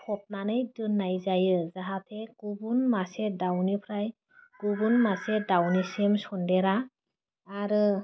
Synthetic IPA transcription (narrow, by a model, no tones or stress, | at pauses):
kʰɔp̚nanɯjdɯnːajzajɯzaɦatʰeɡ̥ubunmasedawnipʰɾaj | ɡ̥ubunmasedawnisemsɔndɛɾa | aɾɯ